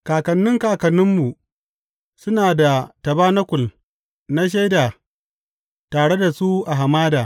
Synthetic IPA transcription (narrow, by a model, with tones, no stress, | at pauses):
kaː˨kɐ˨nːɪ˦ŋkaː˨kɐ˨nːɪ˦mːu˨ | sʊ˦naː˨da˨tɐ˨baː˦na˦kʷʊ˨l | na˦ʃ̬a˦jda˨ | taː˨ɽe˦da˨su˦ʔa˨ɦa˨maː˦daː˨